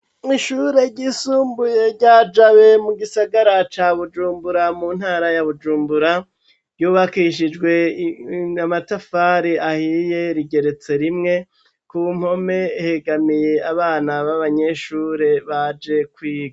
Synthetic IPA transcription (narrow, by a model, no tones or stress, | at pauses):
iʃuɾe̞ɟiːsuːmbuje̞ɾɟaːd͡ʒawe̞muɡisaɡaɾat͡ʃaːβud͡ʒuːmbuɾamun̥haːɾajaβud͡ʒuːmbuɾa | ɾɟuːβakiʃ̬id͡ʒɡwe̞ | amatafaːɾiahije̞ɾiɡe̞ɾe̞t͡se̞ɾimŋe̞ | kum̥ho̞me̞heɡamije̞aβaːnaβaβaɲe̞ʃuːɾe̞βad͡ʒe̞kwiːɡa